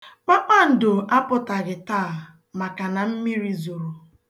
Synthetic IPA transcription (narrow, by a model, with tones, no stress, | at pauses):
k͡pa˦k͡pʷa˦n̩˨dʊ˨a˦pʊ˦ta˨ɡɪ˨taː˦˨ | ma˨ka˨na˨m̩˦mi˦ɾi˦zo˨ɾo˨